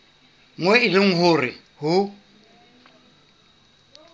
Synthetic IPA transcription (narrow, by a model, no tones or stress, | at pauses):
ŋwɛɪlɪŋ̩ɦʊrɪ | hʊ